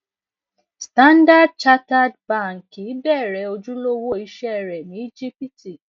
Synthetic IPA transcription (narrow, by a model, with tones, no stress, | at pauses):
stã˦nda˦d̚t͡ʃa˦ta˦dbã˦˨ŋ̩˨ki˨˦bɛː˦˨ɾɛ˨˦o˧d͡ʒũ˦lo˦wo˦i˧ʃɛ˦˨ɾɛ˨nĩ˨˦i˦d͡ʒi˦pi˦ti˨